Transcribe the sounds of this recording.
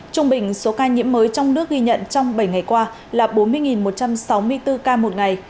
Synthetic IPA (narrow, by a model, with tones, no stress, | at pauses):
t͡ɕʊ˧ŋ͡mɓï˨˩ŋ̟so˨˦kaː˧ɲḭ˧˥əmːəː˨˦jt͡ɕɔ˧wŋ͡mnɨ˦˥ək̚ɣi˧ɲə̰˧˨nt͡ɕɔ˧wŋ͡mɓə˧˩jŋa˨˩jkwaː˧ | laː˨˩ɓo˨˦nmɨ˧əjŋi˨˩nmo˨˩t̚t͡ɕa˧msa˨˦wmɨ˧əjt̪ɨ˧kaː˧mo˨˩t̚ŋa˨˩j